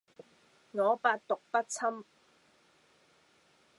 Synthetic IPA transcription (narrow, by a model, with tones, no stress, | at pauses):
ŋɔː˨˧paː˧t̚t̪ʊ˨k̚pɐ˥t̚t͡sʰɐ˥m